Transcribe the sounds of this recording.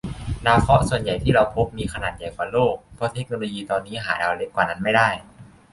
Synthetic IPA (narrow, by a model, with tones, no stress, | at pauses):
naː˧˩wkʰɔ˦˥su˨˩ənja˨˩jt̪ʰiː˥˩ɾa˧wpʰo˦˥p̚miː˧xʰa˧naː˨˩t̪̚ja˨˩jkwaː˨˩loː˥˩k̚pʰɔ˧˥t̪ʰe˦˥k̚noː˧loː˧jiː˧t̪ɔː˧nːiː˦˥ɦaː˩˦daː˧wle˦˥p̚kwaː˨˩na˦˥nma˥˩jdaː˥˩j